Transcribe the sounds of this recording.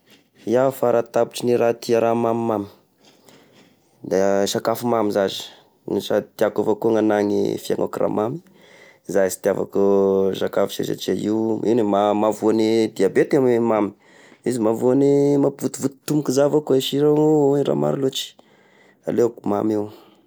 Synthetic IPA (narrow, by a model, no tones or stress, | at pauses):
iafaɾat̪abu̥t͡ʃiniɾat̪iaɾamamimami̥ | d̪aʃakafumamizazi̥ | niʃat̪iakavakuŋanaŋḭfia̰ŋa̰kura̰mami̥ | zasi̥t̪iava̰kuʃakafʃḛza̰t͡ʃaiuḭwnimamavuanid̪iabet̪ammami̥ | izimavuanimapvut̪ivut̪i̥t̪umukizavakuaiʃiɾaura̰ma̰ɾilot͡ʃi̥ | a̰lekuma̰mew